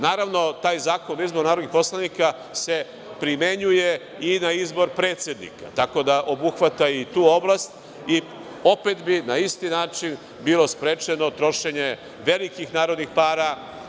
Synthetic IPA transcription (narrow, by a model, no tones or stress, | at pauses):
naːɾaʋno̞t̪aːjzaːkonizboɾnaɾod̪nixpo̞slˠanika | se̞ | pɾime̞ɲuje̞ | inaizbo̞ɾpɾe̞ːt̪sʲjed̪nḭka̰t̪ako̞d̪aʔo̞buxʋat̪ait̪uːo̞blast̪ | i | o̞pe̞t̪binaist̪inaːt͡ʃin | bilˠo̞spɾe̞ːt͡ʃenot̪ɾo̞ʃe̞ɲe̞ | ʋe̞likixnaːɾo̞d̪nixpaːɾa